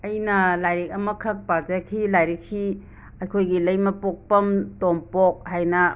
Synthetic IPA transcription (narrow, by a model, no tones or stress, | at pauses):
ɐjnɐlajɾik̚ɐmɐkʰɐk̚pazakʰilajɾik̚si | ɐjkʰojɡilɐjmɐpok̚pɐmtompok̚hajnɐ